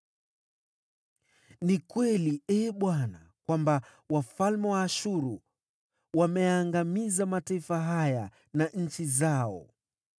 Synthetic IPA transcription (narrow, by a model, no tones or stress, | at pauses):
nikwɛliɛːɓwana | kwamba | wafalmɛwaːʃuɾu | wamɛjaːŋɡamizamataifaɦaja | naɲ̩t͡ʃizaɔ̰